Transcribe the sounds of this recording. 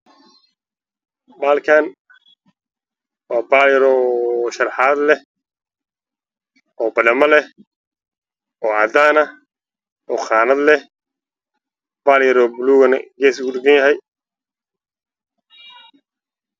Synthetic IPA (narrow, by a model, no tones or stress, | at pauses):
baːlkʰaːn | waːbaːljɐɾɔːʃɐrħaːd̪lɛh | ɔːbɐdɐmɐlɛ | ʔɔːʕɑd̪aːnɐ | ʔɔːχɑːnɐd̪lɛh | b̥aːljɐɾɔːbʊluːɣɐnɡɛːsʊɡʊd̪ɪɡɐnjɐɦɛj